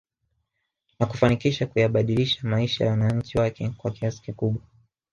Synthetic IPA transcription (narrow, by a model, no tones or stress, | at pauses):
nakufanikiʃakujaɓaɗiliʃamaiʃa̰ja̰wanaɲ̩t͡ʃiwakɛkwakiasi̥kikuɓwa